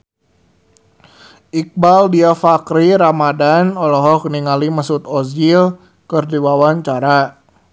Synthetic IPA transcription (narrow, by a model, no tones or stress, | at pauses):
ʔik̚baldiafakɾiɾamadanɔlɔɦɔkniŋalimasut̪ɔsil | kərdiwawaɲt͡ʃaɾa